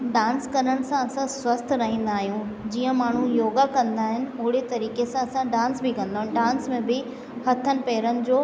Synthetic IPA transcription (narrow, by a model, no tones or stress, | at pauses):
ɖãːnskɐɾəɽ̃ɪ̆sãɐsãswɐst̪ʰɾɐɦĩːn̆d̪aːɦijũd͡ʑiːə̃maːɳ̤ũjoːɡakɐ̃nd̪aːɦɪnɪ̆ʊɦɪɽet̪ɐɾiːkesãɐsãɖãːnsbɪkɐ̃nd̪aːɦɪnɖaːnsmẽbɪ | hɐt̪ʰənɪ̆pɛːɾənɪ̆d͡ʑoː